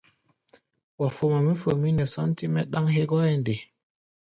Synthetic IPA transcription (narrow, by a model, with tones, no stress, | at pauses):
wa˨fo˨ma˨mi˦fo˨mi˦nɛ˨sɔ˦nti˦mɛ˦ɗa˦ŋɦe˦ɡɔ˦ɛ˦nde˨